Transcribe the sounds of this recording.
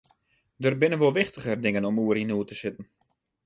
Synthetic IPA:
dərbɪnənʋolˠʋɪxtəɣərdɪŋənɔmuəɾinuətəsɪtən̩

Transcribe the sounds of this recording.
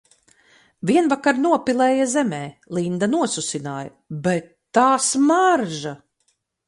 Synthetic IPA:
viɛnvakaɾnuɔpilˠɛːjazɛmɛːlˠind̪anuɔsusinaːjɐ | bɛt̪ːaːsmaɾʒa

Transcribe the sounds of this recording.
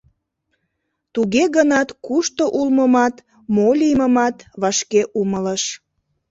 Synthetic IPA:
t̪uɣeɣənɑt̪kuʃt̪oʔulməmɑt̪ | molʲiməmɑt̪βɑʃkeʔumələʃ

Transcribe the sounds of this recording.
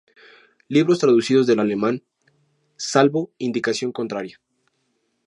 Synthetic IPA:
liβ̞ɾo̞st̪ɾaðusið̞o̞zðe̞lale̞mãn | salβo̞ind̪ikasjo̞ŋko̞nt̪ɾaɾja

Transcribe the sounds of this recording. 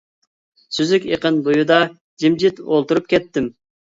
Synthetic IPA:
syzykʲeqənbujud̪ɑ | d͡ʒimd͡ʒit̪olˠt̪uɾup̚kʲʰɛt̪ːɪm

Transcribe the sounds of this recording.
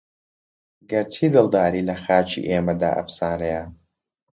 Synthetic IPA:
ɡɐɾtʰiːd̪ɨlˠd̪aːɾiːlɐxaːt͡ʃʰḭʔeːmɐd̪a̰ːʔɐ̰fsaːɾɐja

